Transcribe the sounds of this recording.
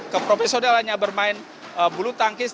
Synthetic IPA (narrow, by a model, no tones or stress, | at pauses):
kəpɾofesodalaɲabərmaɪn | əbulut̪aŋkɪs